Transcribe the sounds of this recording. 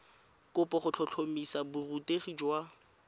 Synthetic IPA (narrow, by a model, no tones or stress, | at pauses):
kʼʊpɔχʊt͡ɬʰɔt͡ɬʰomisabʊruteχid͡ʒwa